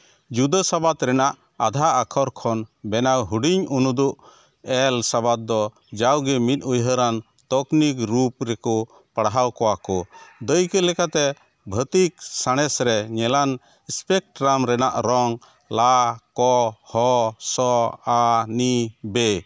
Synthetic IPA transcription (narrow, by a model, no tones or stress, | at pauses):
d͡ʒud̪əsabat̪ɾɛnaʔ | ad̪ʱaakʰɔɾkʰɔnbɛnawɦuɖiɲunud̪uʔ | ɛlsabat̪̚d̪ɔ | d͡ʒawɡɛmit̪̚ˀujɦəɾan | t̪ɔknikɾupɾɛkɔ | paɽɦawkɔwakɔd̪əjkɛlɛkat̪ɛ | bʱət̪iksaɽ̃ɛsɾɛɲɛlan | spɛk̚ʈɾamɾɛnaʔɾɔŋ | lakɔhɔsɔanibɛ